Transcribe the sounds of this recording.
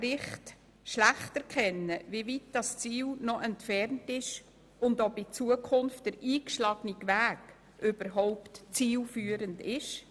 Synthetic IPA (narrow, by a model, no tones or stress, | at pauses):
ɾɪχt | ʃlæχtɛɾkʰɛnːəvivitd̥ɑst͡siːlnɔʔɛntfɛɾntɪʃ | ʊndopɪt͡suəkʰʊnft̚d̥əɾiːkʃlɑːɡ̥niɡvæːk | ʔøb̥əɾɦɔʊptt͡siːlfyːəɾəndɪʃ